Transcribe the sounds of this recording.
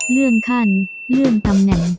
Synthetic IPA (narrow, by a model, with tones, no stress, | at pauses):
lɯ˥˩ənkʰa˥˩n | lɯ˥˩ənt̪ʰa˧mnɛ˨˩˦ŋ